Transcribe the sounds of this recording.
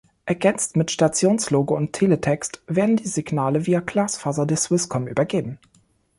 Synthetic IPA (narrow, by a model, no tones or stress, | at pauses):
ʔɛɐɡɛnt͡stmɪtʃtat͡sjoːnsloːɡəʊntʰːeːlətʰɛkstv̥eːɐdn̩diːzɪɡnaːləviːɐkl̥aːsfaːzɐdeːɐsw̥ɪskʰɔmʔy̰ːbɐɡeːbm̩